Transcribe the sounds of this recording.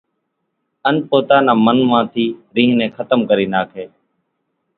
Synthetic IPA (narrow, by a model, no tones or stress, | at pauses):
ənpoːt̪aːnãːmənmãːt̪ʰiːɾĩːɦnẽːkʰət̪əmkəɾiːnaːkʰeː